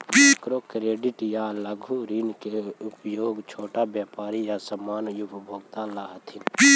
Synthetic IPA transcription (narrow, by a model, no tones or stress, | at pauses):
mkɾoːkɾeːɖɪʈjaləɡʱuɾinkeʊpjoːɡt͡ʃʰoːʈabjaːpaːɾijasəmːaːnjupbʱoːɡt̪alaɦət̪ʰɪn